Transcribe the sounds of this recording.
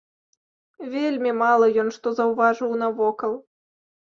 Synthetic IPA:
vʲelʲmʲimalˠɐjɔnʂt̪ɔzɐwvaʐɨwnɐvɔkɐlˠ

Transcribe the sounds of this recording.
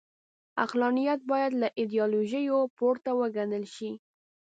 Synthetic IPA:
a̰qlɑnijat̪̚bɑjad̪laʔɪd̪ijɑloʒəjopoɾt̪awəɡanəlʃi

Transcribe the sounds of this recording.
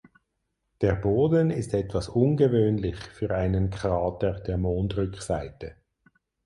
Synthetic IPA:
d̥eːɐboːdənɪstɛtv̥asʊnɡəvøːnlɪçfyːʁaɪnənkʰʁaɑːtəʁd̥eːɐmoːntʁʏksaɪtə

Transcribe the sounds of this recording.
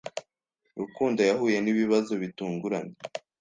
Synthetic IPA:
ɾukuːndajaɦuːje̞niβiβazoβituːŋɡuɾaɲe

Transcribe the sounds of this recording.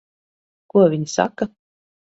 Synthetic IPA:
kuɔvʲiɲsa̰ka

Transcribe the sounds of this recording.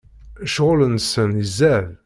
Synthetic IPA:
ʃʁʊlənsənizːæv

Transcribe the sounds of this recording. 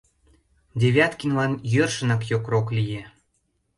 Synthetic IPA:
d̪ʲeβʲɑt̪kinlɑnjørʃə̆nɑkjokroklije

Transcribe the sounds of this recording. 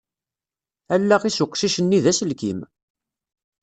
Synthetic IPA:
ælːæʁisʊqːʃiʃənːiðæsəlkim

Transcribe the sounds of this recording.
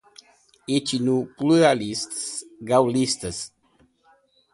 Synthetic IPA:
et͡ʃinupluɾalist̪sɡawlist̪əs

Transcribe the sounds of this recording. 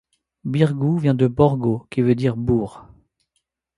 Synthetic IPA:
biʁɡuvjɛ̃d̪əbɔʁɡokʲivød̪iʁbuːʁ

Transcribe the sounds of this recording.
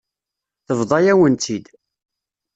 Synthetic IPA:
θəvðˤɑjæwənt̪ʰid̪

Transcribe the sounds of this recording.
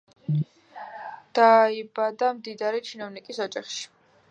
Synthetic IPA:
d̪̥aibad̪amd̪id̪aɾit͡ʃʰinɔvnikʼisɔd͡ʒaχʃi̥

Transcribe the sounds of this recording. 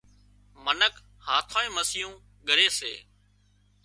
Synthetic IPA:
mənək | haːt̪ʰãːẽːməsɪjũː | ɠəɾeːsḛː

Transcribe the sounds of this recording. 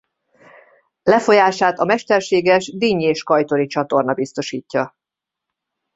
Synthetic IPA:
lɛfo̞jaːʃaːt̪ɒmɛʃt̪ɛrʃeːɡɛʒd̪iɲeːʃkɒjt̪o̞ɾit͡ʃɒt̪o̞rnɒbist̪o̞ʃiːcːɒ

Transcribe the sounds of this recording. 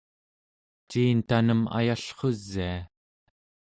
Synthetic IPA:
t͡ʃiːnt̪anəma̰jaɬχo̞zːia

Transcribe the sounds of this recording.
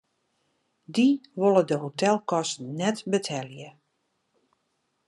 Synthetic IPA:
diʋolˠədəɦotɛlˠkɔstən̩nɛtbətʰɛljə

